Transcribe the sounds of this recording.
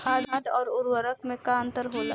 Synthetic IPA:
aːɽaːʈ̪ɔːɾʊɾwəɾək̚mẽkaə̃nt̪əɾɦoːla̰

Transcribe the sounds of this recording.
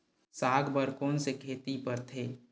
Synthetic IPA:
saːɡʱbəɾkoːnsekʰeːt̪ipɐɾt̪ʰeː

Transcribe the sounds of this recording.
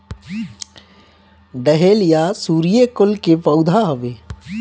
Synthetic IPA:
ɖəɦeːljasuːɾijekʊlkepəʊd̪ʱaɦoʋeː

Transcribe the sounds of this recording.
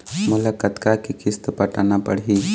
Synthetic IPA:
mʊlakət̪kakikɪst̪pəʈanapəɽɦi

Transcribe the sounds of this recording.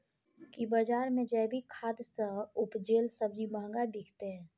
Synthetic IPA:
kibəd͡ʒaːɾmẽd͡ʒɛːbʱikʰaːd̪səʊpd͡ʒeːlsəb̚d͡ʒimãːŋɡaɖikʰt̪eɦɛ̃ː

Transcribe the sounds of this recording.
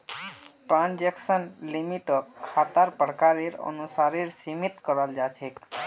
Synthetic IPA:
ʈɾãnd͡ʒeksənlimiʈəkʰːat̪aɾpəɽkaɾeɾə̰nusaɾeɾsimit̪kəɾald͡ʒat͡ʃʰek

